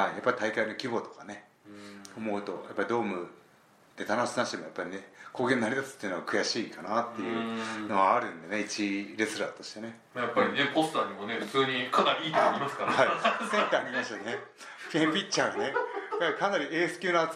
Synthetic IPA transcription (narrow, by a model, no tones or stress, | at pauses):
haijapːait̪aikaino̞kʲibo̞t̪o̞̥kane̞ | omo̞ɯ̟t̪o̞̰japːaɾʲid̪o̞ːmɯ̟ | d̪̥e̞t̪anoɕsɨnaɕi̥t̪emo̞japːaɾʲine̞koːɡẽ̞nːaɾʲit̪asɨ̥t̪ːeiɯ̟noɡakɯ̟jaɕiːkanat̪ːe̞jɯ̟no̞βaːɾɯ̟̃nd̪e̞ne̞it͡ɕiɾe̞sɨɾa̰ːt̪o̞ɕi̥t̪e̞ne̞ | japːaɾʲinekost̪aɲ̟imo̞ne̞ɸɯ̟t͡sɨːɲ̟ikʰanaɾʲiiːt̪oɾʲimasɨ̥kaɾaisẽnt̪aːɾʲimaɕit̪okne | pʲẽmpʲitt͡ɕaɡane̞jaɾikanaɾʲiʔe̞ːsɨ̥kʲɨːna